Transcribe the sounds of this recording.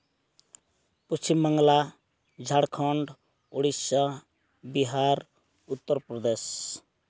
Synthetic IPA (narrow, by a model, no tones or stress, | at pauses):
pust͡ʃimːəŋɡla | d͡ʒʱaɽkʰɔɳɖ | oɽisa | biɦaɾ | ut̪ːəɾpɾɔd̪es